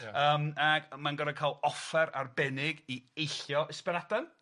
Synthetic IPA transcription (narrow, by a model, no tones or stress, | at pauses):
əːmaɡmanɡɔdakʰaːlˠɔfɛɾarbɛnɪɡiejɬjɔɪspɪɾadan